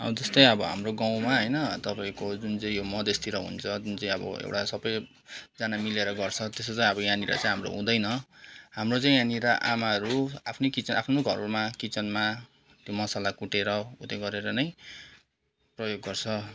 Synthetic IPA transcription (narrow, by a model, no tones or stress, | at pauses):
ʌ̰bʌd͡zʌst̪ʌj̃ʌbʌɦa̰mroɡaw̃maɦʌjnʌt̪ʌpaĩkod͡zunt͡sãĩjomʌd̪est̪iɾʌɦṵnt͡sʰʌd͡zunt͡saĩʌ̰bʌ̰ḛwʈasʌbʌj | d͡zanamileɾʌɡʌrt͡sʰʌt̪esʌt͡sãĩʌbʌjãniɾa̰t͡sãĩɦamro̰ɦṵ̃d̪ʌjnʌɦamrot͡saĩãniɾaʔa̰maɦʌɾuapʰnekit͡sʌnapʰnoɡʱʌrmakit͡sʌnma | t̪jomʌsalakuʈeɾʌṵt̪eɡʌɾeɾʌnʌj | prʌjoɡːʌrt͡sʰʌ